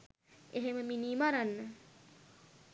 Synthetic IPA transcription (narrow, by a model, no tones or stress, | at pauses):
eɦeməminimaɾanːə